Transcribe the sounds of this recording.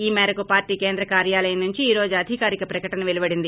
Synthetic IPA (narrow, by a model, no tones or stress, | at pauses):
iːmɛːɾɐkupaːɾʈiːkeːnd̪ɾɐkaːɾjaːlɐjɐnnuɲt͡ʃiiːɾo̞ːd͡ʒuɐd̪ʱikaːɾikɐpɾɐkɐʈɐnɐʋelibɐɽind̪i